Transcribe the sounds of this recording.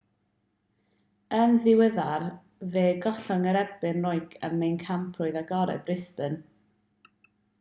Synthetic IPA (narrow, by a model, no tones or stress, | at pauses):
ənðɪwəðar | veːɡɔɬɔŋəɾɛbɪnrɔɨɡʰə̰mːejnkʰampʰrʊɨðaɡɔɾɛ̰brɪspɨn